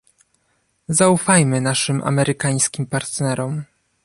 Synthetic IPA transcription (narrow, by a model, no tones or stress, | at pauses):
zaufajmɘnaʂɘmʔa̰mɛɾʔɘkaj̃skʲimpaɾt̪nɛɾɔm